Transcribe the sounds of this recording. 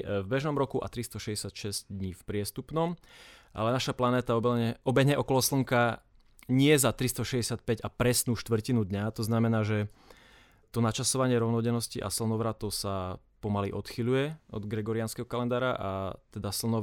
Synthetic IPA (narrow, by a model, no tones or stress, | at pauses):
vbɛʒnɔmɾɔkuʔa̰t̪ɾist̪ɔʃɛɟɛsjat̪ʃɛz̥ɟd̪ɲiːfpɾɪɛst̪upnɔmʔa̰lɛnaʃaplanɛːt̪aɔbɛʔɔbɛɲɛʔɔkɔlɔsl̩ŋka | ɲɪɛzat̪ɾist̪ɔʃɛɟɛsɪat̪̚pɛɟapɾɛsnuːʃt̪ʋr̩cinud̪ɲat̪ɔznamɛnaːʒɛ | t̪ɔnat͡ʃasɔʋaɲɪɛɾɔʊnɔɟɛnɔsciʔa̰sl̩nɔʋɾat̪ɔʊsa | pɔmalḭʔɔt̪xiʎujɛɔ̰d̪ɡɾɛɡɔɾianskɛɦɔkalɛnd̪aːɾaʔa̰t̪ɛd̪asl̩nɔ